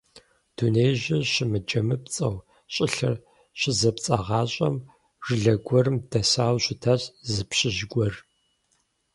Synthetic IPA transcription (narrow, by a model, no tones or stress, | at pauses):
d̥unejʑɪɕɪmɨd͡ʒɐmɨp̚t͡sʼɐw | ɕʼɪɬɐr | ɕɪzɐpt͡sʼɐʁɑːɕʼɐm | ʒ̥ɨɮɐɡʷɔrɨmdɐsaːwɕʷɪtʰɐɕʼzɨpɕɪʒɡʷɔr